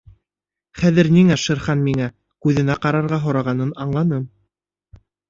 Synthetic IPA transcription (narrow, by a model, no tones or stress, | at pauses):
χæðɘ̆ɾniŋæʃɤ̆ɾχɑnmiŋæ | kʉðɘ̆næqɑɾɑɾʁɑɦŏɾɑʁɑnɤnɑɴlˠɑnɤm